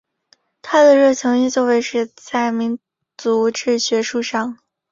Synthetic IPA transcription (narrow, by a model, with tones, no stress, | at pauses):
t̪ʰa˥d̪ə˨ɻɤ˥˩t͡sʰɤ˧˥ŋi˥˧t͡swɔ˥˩ʊwe˧˥ɪʂɻ̩˥˧t͡sa˥˩ɪmi˧˥n | t͡su˧˥ʈ͡ʂɻ̩˥˩ɕɥɛ˧˥ʂu˥˧ʂɑ˥˩ŋ